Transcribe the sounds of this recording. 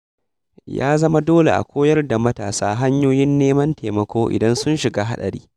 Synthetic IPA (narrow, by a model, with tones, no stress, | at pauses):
ja̰ː˦zɐ˦ma˦doː˦lḛ˨ʔa̰˨kʷoː˦jɐ˦rda˨mɐ˦taː˨saː˦ɦa˦ɲjoː˦jɪ˦nːeː˦mɐ˦nteː˨mɐ˨kʷoː˦ʔɪ̰˨dɐ˦nsʊ˦nʃɪ˨ɡaː˦ɦa˦ɗɐ̰˨ɾḭː˦